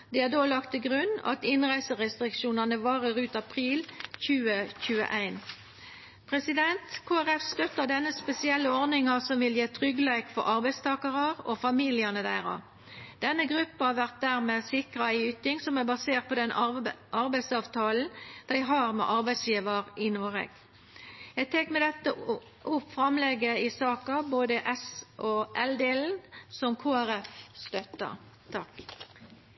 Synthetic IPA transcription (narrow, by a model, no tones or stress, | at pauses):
d̪̥ɛæd̪oːlɑkt̪ʰːɪɡʁʉnːɑ̰t̪ɪnʁæɪsəʁɛst̪ʁɪkʃuːnɑnəʋɑːʁəɾʉːt̪ɑpʰʁiːlçʉːəçʉːə̰ʔæɪn | pʰʁɛsɪd̪ɛnt̪kʰoːæʁɛfst̪œt̪əd̪ɛnːəspɛsɪɛlːəɔʁnɪŋɑsɔmʋɪljeːt̪ʰʁʏɡleːkfɔ̰ɾʔɑʁbæɪst̪ʰɑːkɑʁɑʁofɑmiːlɪənəd̪æːʁɑ̰ʋ | d̪̥ɛnːəɡʁʉpːhɑʋæʁt̪̚d̪æʁmeːsɪkʁɑæɪʉːt̪ɪŋsɔmæbɑseːʁt̪̚pɔd̪ɛnʔɑʁbæɪsɑʋt̪ʰɑːln̩d̪̥æɪɦɑʁmɛ̰ʔɑʁbæɪsjiːʋəʁɪnoːʁɛ̰ɡ̥ | ɛɡ̚t̪ʰekmɛd̪ɛt̪ːə | ʔʊpfɾɑmlɛɡəɪsɑːkɑboːd̪əʔɛsʔɔʔɛld̪eːln̩sɔmkʰoːæɾɛfst̪œt̪ːɑ̰ | t̪ʰɑk